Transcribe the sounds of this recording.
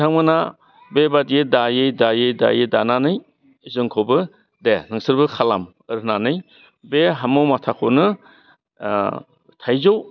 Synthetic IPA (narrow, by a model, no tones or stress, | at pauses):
aŋmɯna | bebadijedajɯjdajɯjda̰jɯdananɯj | zɯŋkʰobɯ | denɯŋsɯɾbɯkʰalam | ɯɾɦnanɯj | beɦamɯwmatʰakʰonɯ | tʰajzow